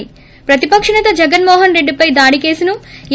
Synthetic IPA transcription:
i | pɾɐt̪ipɐkʂɐɳɐt̪ɐd͡ʒɛɡɐnmɔːɦɐnɾe̞ɖːipɐjd̪aːɽike̞ːsinu

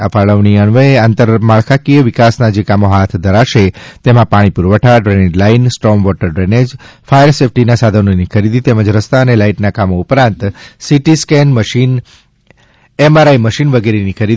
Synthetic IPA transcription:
afaɭəʋɳiəɳʋəeant̪əɾmaɭkʰakijəʋɪkasnad͡ʒekamoɦat̪ʰd̪ʱəɾaʃet̪emãpaɽ̃ipuɾʋəʈʰaɖɾɛned͡ʒlainsʈɾɔmʋɔʈəɾɖɾɛned͡ʒfajəɾsefʰʈinasad̪ʱənonikʰəɾid̪ʱit̪ɛməd͡ʒɾəst̪aənelaiʈnakamoupɾãnt̪siʈiskɛnməʃin | emaɾaiməʃinʋəɡeɾenikʰəɾid̪ʱi

